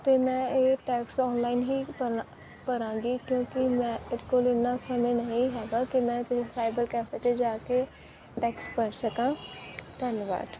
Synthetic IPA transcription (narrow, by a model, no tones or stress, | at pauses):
t̪eːmɛ̃ːeːʈɛːksɔːnlaːinɦiːpə | pəɾãːŋɡiːkjõːkɪmɛ̃ːɪkolɪnːãːsəmẽːnəɦĩːɦɛːɡaːkimɛ̃ːkɪsisaːɪbəɾkɛːfʰeːt̪eːd͡ʒaːkeː | ʈɛːkspəɾsəkãːt̪ənʋa̰ːd̪